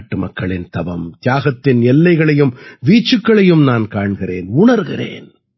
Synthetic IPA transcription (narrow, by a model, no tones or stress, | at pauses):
ʈːɯmɐkːɐɭɪnt̪ɐbɐmt̪jaːɣɐt̪ːɪnɛlːɐɪɣɐɭɐjɯmʋiːt͡ʃːɯkːɐɭɐjɯmnaːnkaːɳɣɪrḛːnʊɳɐɾɣɪ̰rḛːn